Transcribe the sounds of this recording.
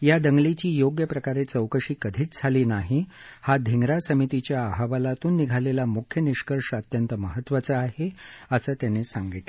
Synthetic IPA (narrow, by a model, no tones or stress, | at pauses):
jad̪əŋɡlit͡ɕiːjoɡjəpɾəkaɾet͡səwkəʂiːkəd̪ʱiːt͡sd͡zʱaliːnaɦi | had̪ʱiŋɡɾasəmit̪it͡ɕjaːɦaʋalat̪uːnːiɡʱalelamukʰjəniɕkəɾʂət̪jənt̪əməɦət̪ːʋət͡səːheəsəːt̪janesaŋɡit̪le